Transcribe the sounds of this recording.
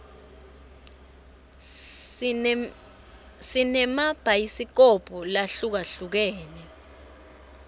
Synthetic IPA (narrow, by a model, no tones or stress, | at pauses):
sinɛmab̥ʱaisik̬ɔb̥ʱulaɬuk̬aɬuk̬ɛːnɛ